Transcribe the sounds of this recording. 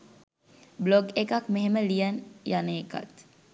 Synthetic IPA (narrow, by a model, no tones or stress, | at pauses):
bloɡekakmeɦeməlijənjaneːka̰t̪